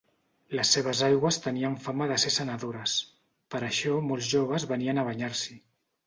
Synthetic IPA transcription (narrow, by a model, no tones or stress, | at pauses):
ləsːeβ̞əzajɣwəst̪əniəɱfaməðəsesənəðoɾəs | pəɾəʃɔmolˠzʒoβ̞əzβəniənəβ̞əɲaɾsi